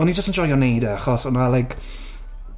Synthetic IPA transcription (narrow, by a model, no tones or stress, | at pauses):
ɔnid͡ʒəstənd͡ʒɔjɔnejdəaχɔsɔnalajk